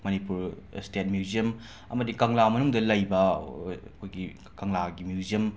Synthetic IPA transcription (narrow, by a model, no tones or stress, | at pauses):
mɐnipuɾ | stet̚mjuziɐm | ɐmɐdikɐŋlamɐnuŋdɐlɐjbɐ | kʰojɡi | kɐŋlaɡimjuziɐm